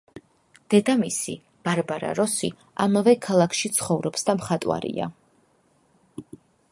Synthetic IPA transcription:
d̪̥ɛd̪amisḭ | b̥aɾbaɾa̰ɾɔsi | amavɛkʰalˠakʰʃit̪sʰχɔvɾɔpsd̪amχat̪ʼwa̰ɾḭa̰

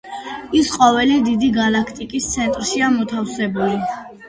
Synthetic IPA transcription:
isqʼɔvɛlid̪id̪iɡalakʰt̪ʼikʼist̪sʰɛnt̪ʼɾʃiamɔt̪ʰafsɛbuli

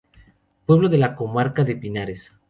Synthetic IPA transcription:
pwe̞βloðelakomaɾkaðe̞pinaɾes

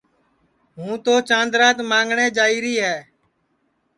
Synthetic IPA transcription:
ɦũːt̪oːt͡ʃãːnd̪ɾaːt̪mãːŋɡɳẽːd͡ʒaːiːɾiːɦɛː

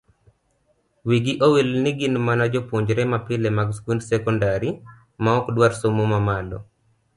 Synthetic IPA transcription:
wiɡiʔowilniɡɪnmanad͡ʒɔpwoɲd͡ʒɾɛmapɪlɛmaɡskundsɛkɔndaɾi | maɔkdwaɾsomomamalɔ̰

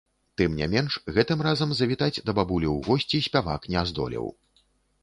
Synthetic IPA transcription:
t̪ɨmnʲɛ̰mʲɛnʂɣɛt̪ɨmrazɐmzɐvʲit̪ad͡zʲd̪ɐbabulʲiwɣɔsʲt͡sʲisʲpʲava̰knʲɛazd̪ɔ̰lʲḭw

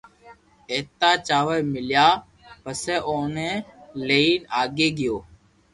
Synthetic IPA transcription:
eːt̪aːt͡ʃaːʋeːmɪljaː | pəseːʔoːnẽːleiːnaːɡeːɡɪjoː

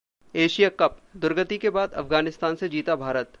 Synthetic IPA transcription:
eːʃijakɐp̚d̪ʊɾɡət̪ikebaːd̪ɐ̰fɡaːnɪst̪aːnsed͡ʒiːt̪abʱaːɾət̪

